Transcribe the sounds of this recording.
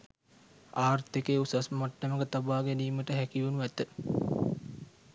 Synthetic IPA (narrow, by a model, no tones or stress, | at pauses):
aːrt̪ikeːusasmaʈːəməɡət̪abaːɡæniːməʈəɦækiʋunuʋɛt̪ə